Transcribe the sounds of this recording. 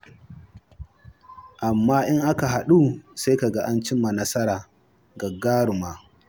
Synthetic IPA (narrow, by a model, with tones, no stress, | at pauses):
ʔa˨mːaː˦ʔɪ˦ŋʔa˦ka˨ɦa˨ɗu˦sa˦jka˨ɡa˦ʔa˦nt͡ʃɪ˦mːa˨nɐ˦sɐ˦ɾaː˨ | ɡɐ˨ɡaː˦ɽʊ˨maː˦